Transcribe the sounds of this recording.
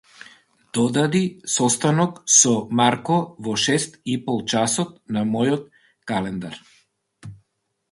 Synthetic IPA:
d̪̥ɔd̪ad̪isɔst̪anɔksɔmaɾkɔvɔʃɛst̪ipɔlˠt͡ʃasɔt̪̚namɔjɔt̪ | kalɛnd̪aɾ

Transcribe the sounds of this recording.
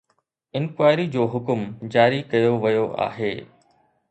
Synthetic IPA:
ɪ̃nkwaːɪɾid͡ʑoːɦʊkʊmd͡ʑaːɾikɐjoʋɐjoʔa̰ːɦeː

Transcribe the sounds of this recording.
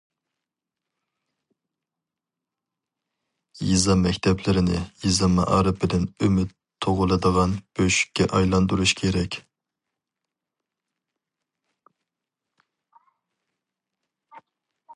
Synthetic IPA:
jizɑmːɛkʲt̪ʰɛplɪɾɪnɪ̰jizɑmːɑ̰ʔɑ̰ɾɨpʰɪd̪ɪnømɪt̪ʰːoʁʊlˠɨd̪əʁɑnb̥øʃy̥kʲːɛʔɑjlˠɑnd̪uɾuʃkʲʰeɾɛkʲ

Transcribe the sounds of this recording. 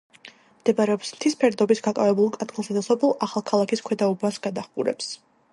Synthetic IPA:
md̪̥ɛbaɾɛɔpsmt̪ʰispʰɛɾd̪ɔbisɡakʼavɛbulˠkʼad̪ɡlˠsad̪asɔpʰɛlˠaχalˠkʰalˠakʰiskʰwɛd̪aubasɡad̪aχɡʼṵɾɛ̰ps

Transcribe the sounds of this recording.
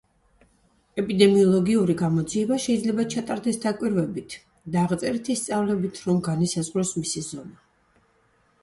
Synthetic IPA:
ɛpʼid̪ɛmiɔlˠɔɡiuɾiɡamɔd̪ziɛbaʃɛid̪zlɛbat͡ʃʰat̪ʼaɾd̪ɛsd̪akʼwiɾvɛbit̪ʰ | d̪aːʁt̪sʼɛɾit̪ʰist̪sʼavlɛbit̪ʰɾɔmɡanisazʁɾɔsmisizɔna

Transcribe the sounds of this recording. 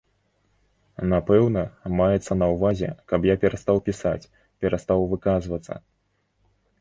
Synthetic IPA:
napɛwnɐmajɛt̪sːɐnɐwvazʲɛ̰kɐpjapʲɛɾast̪awpʲisa̰t͡sʲ | pʲɛɾast̪awvɨkazvɐt̪sːɐ̰

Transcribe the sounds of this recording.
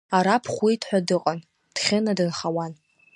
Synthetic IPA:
aɾapʰχʷwitʰħʷᶣadɨqʼan | d̥χʲɪnadɨnχawan

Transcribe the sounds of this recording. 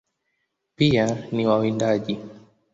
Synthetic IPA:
pianiwawindaʄi

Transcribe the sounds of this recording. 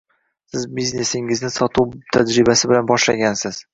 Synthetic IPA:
sɪzbizne̞sɪŋɪznɪsɒt̪ʰuwt̪ʰad͡ʒɾɪbasɪbɪlanbɒʃlaɡʲansɪz̥

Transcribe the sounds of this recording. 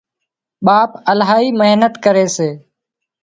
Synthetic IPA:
ɓaːpəlɦaːɦiːməɦnət̪kəɾeːseː

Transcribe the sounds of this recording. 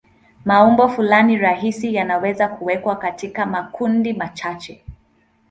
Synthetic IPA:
maumbɔfulaniɾaɦisijanawɛzakuwɛkwakatikamakundimat͡ʃat͡ʃɛ

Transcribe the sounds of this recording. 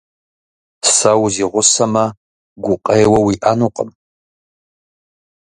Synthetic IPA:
sɐwziʁʷʊsɐmɐ | ɡʷʊqʼejwɐwiʔanuqʼə̰m

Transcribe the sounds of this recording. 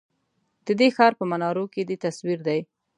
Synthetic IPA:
d̪̥əd̪exɑɾpəmanɑɾoked̪et̪aswiɾd̪aj

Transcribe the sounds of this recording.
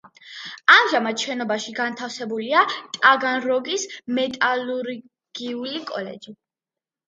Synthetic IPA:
amʒamat̪ʃɛnɔbaʃiɡant̪ʰafsɛbuliat̪ʼaɡanɾɔɡismɛt̪ʼaluɾ | ɡ̥iulikʼɔlɛ̰d͡ʒi

